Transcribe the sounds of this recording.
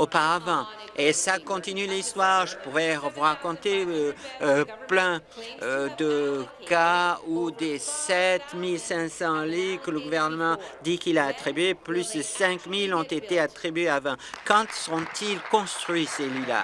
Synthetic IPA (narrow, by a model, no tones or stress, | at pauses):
opaʁavɑ̃esakɔ̃t̪inylist̪waʁʒəpuʁɛəvuʁakɔ̃t̪eə | plɛ̃ød̪əkaud̪esɛt̪milsɛ̃sɑ̃likələɡuvɛʁnəmɑ̃d̪ikilaːt̪χibɥeplysəsɛ̃kmilɔ̃t̪et̪eat̪χibɥeavɛ̃kɑ̃t̪səʁɔ̃t̪ilkɔ̃st̪χɥiselɥila̰